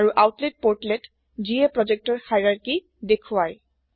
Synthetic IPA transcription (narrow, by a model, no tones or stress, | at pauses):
ɹuʔawtlet̚poɹtlet | ziɛpɹɔzɛk̚tɔɹhajɹaɹki | dekʰʊwaj